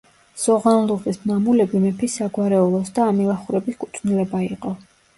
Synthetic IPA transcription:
z̥ɔʁanlˠuʁisnamulɛbimɛpʰisaɡwaɾɛulˠɔsd̪aːmilˠaχuɾɛbiskʼut̪sʼʰnilɛbaiqʼɔ

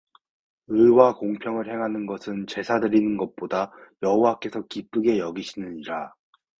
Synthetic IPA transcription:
ɯwakoŋpʰjʌŋɯɭɦe̞ŋɦanɯnɡʌsʰɯnt͡ɕe̞sʰadɯɾinɯnɡʌt̚p͈odajʌɦowak͈e̞sʰʌkip͈ɯɡe̞jʌɡiɕʰinɯɲiɾa

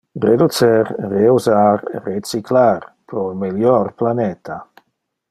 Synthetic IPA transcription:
red̪ut̪sɛɾreuzaɾːet͡siklaɾpɾolmeljɔɾplanet̪ʰa

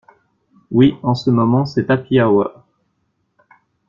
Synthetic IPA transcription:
wiɑ̃səmɔmɑ̃sɛt̪apiawa̰

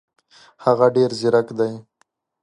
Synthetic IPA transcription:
haɣaɖeɾzɪɾakd̪aj

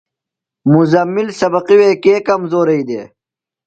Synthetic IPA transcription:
muzɐmːilsɐbɐqiweːkeːkɐmzoːɾɐid̪eː

